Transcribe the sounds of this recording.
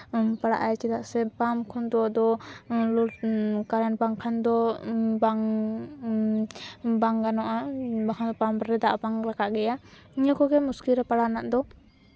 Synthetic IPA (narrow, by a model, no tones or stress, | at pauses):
paɽa̰ʔajt͡ʃid̪aʔsɛpamkʰɔnd̪ɔwad̪ɔluɾkaɾɛnbaŋkʰand̪ɔbaŋ | baŋɡanɔʔabakʰand̪ɔpamɾɛd̪aʔbaŋɾakaʔɡɛja | iɲakɔɡɛmuskiɾɛpaɽanaʔd̪ɔ